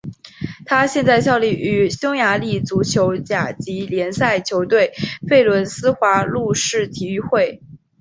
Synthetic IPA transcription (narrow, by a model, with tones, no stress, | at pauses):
t̪ʰa˥ɕjɛ˥˧nt͡sa˥˧ɪɕjɑ˥˧ʊli˥˩y˨˥ɕʊ˥ŋja˧˥li˥˩t͡su˧˥t͡ɕʰjo˧˥ʊt͡ɕja˨˩t͡ɕi˧˥ljɛ˧˥nsa˥˩ɪt͡ɕʰjo˧˥ʊt̪we˥˩ɪfe˥˩ɪlwə˧˥nsɹ̩˥xwa˧˥lu˥˧ʂɻ̩˥˩t̪ʰi˧˩y˥˧xwe˥˩ɪ